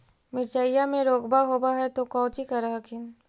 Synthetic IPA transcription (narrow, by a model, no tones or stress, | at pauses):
mɪɾt͡ʃajjamẽɾoːɡbaɦoːbaɦɛt̪okɔ̃ːt͡ʃikɐɾaɦakʰɪn